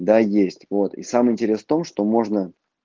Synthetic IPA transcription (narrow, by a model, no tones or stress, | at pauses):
d̪ajesʲtʲvo̞t̪ḭsaməɪnʲtʲɪɾʲe̞st̪o̞mʂt̪o̞mo̞ʐnə